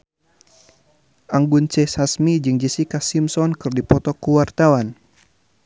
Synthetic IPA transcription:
ʔaŋɡunt͡ʃɛsasmid͡ʒɨŋd͡ʒisikasimsɔnkɨrdipɔt̪ɔkuwart̪awan

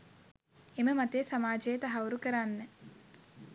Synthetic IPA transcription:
eməmat̪eːsamaːd͡ʒejt̪aɦawuɾukəɾanːə

